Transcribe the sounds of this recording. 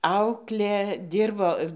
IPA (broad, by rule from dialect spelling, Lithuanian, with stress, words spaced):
ˈɐʊklʲeː ˈdʲɪrboː